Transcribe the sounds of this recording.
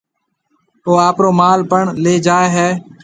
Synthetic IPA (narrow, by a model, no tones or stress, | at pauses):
oːaːpɾoːmaːlpəɳleːd͡ʒaːeɦɛː